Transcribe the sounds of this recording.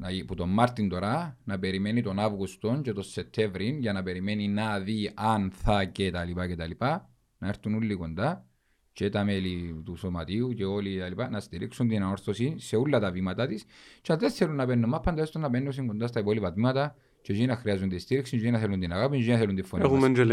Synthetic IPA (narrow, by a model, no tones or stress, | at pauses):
nɐiput̪o̞mːɐɾt̪ind̪o̞ɾɐnɐpeɾimenit̪o̞navɣust̪o̞nt͡ʃet̪oset̪ʰːevɾinʝɐnɐpe̞ɾimeninɐðiʔɐnθɐcet̪ɐlipɐcet̪ɐlipɐ | nɐeɾθunulːiko̞nd̪ɐ | t͡ʃet̪ɐmelit̪uso̞mɐt̪iut͡ʃeo̞liet̪ɐlipɐnɐst̪iɾiksund̪inɐnoɾθo̞sinseulːɐt̪ɐvimɐt̪at̪ist͡ʃeɐðeθelunːɐpenːumːɐpʰːɐnd̪ɐest̪onːɐpenːus̬iŋɡond̪ɐst̪ɐipolipɐt̪mimɐt̪ɐ | t͡ʃeʒinɐxɾiɐzund̪ist̪iɾiksind͡ʒinɐθelund̪inɐɣapinʒinɐθelund̪ifːonieumend͡ʒel